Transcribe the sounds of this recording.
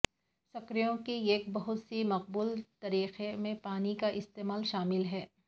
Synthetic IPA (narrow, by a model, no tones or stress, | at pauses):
sɐkɾijõkieːk̚bɐɦʊt̪simɐq̚buːlt̪ɐɾiːqemẽpaːnikaʔɪst̪eːmaːlʃaːmɪlɦɛː